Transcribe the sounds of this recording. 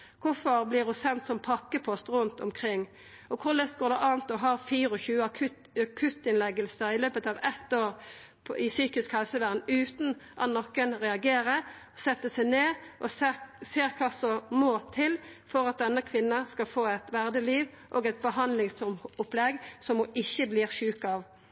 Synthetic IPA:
kʰʊfɔʁblɪʁʉsɛnt̪sɔmpʰɑkːəpʰɔst̪ʁʉnt̪ɔmkʰʁɪŋː | ʔɔkʰʊʁlɛst̪̚ɡoːʁd̪ɛʔɑːnt̪ɔɦɑːʁfiːɾɔçʉːəɑkʰʉ | kʰʉt̪ɪnlɛɡəlsəɪløːbət̪ɑːʋɛt̪ːoːʁ | pʰɪsyːkɪskhɛlsəʋæʁd̪nʉːt̪n̩ʔɑ̰t̪nɔkːənʁɛɑɡeːɾə | sɛt̪ːəsɛɪneːʔɔsseːʁkʰɑːsɔmoːt̪ʰɪl | fɔʁɑt̪̚d̪ɛnːəkʰʋɪnːɑskɑlfoːɛt̪ʋæʁd̪əliːʋ | ʔoːɡɛt̪̚bəɦɑnd̪lɪŋsʊplɛɡsɔmɪçːəbliːʁʃʉːkɑːʋ

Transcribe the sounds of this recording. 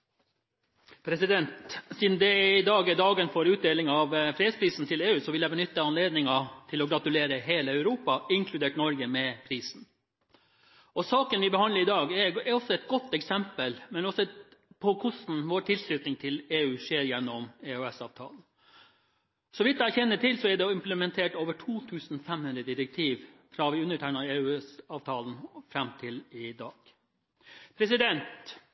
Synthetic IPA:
pʰɾɛsɪd̪ɛnt̪siːd̪nd̪ɛɪd̪ɑːɡɛd̪ɑːɡənfɔːɾʉːt̪̚d̪eːlɪŋɑʋfɾeːd̪spʰɾiːsn̩t̪ʰɪleːʉːsɔʋɪljæɪbənʏt̪ːəɑnleːd̪nɪŋɑt̪ʰɪlɔɡɾɑt̪ʉleːɾəɦeːləæʉɾuːpɑɪŋkʰlʉd̪eːʈnɔɾɡəmɛpʰɾiːsn̩ | ɔsɑːkənʋɪbɛhɑnləɾɪd̪ɑːɡɛɛɾɔsːɔɛt̪̚ɡɔt̪ːɛksɛmpəlmɛnɔsɔpʰɔkʰʊsn̩ʋoːʈ̪ʰɪlslʉːt̪nɪŋt̪ʰɪleːʉːʂeːɾjɛnːɔmeːʉɛsɑːʋt̪ʰɑ̰ːln̩ | sɔʋɪt̪d̪æɾçɛnːəʈʰɪlsɔɛɖɛɪmpləmɛnt̪ʰeːʈoːʋəʈʰuːt̪ʰʉːsn̩fɛmhʉnd̪ɾəd̪ɪɾɛk̚t̪ʰiːʋfɾɑʋɪʉnːəʈʰæɪnɑeːʉːsɑːʋt̪ʰɑːln̩fɾɛmt̪ʰɪlɪd̪ɑːɡ̥ | pʰɾɛs̬ɪd̪ɛnt̪

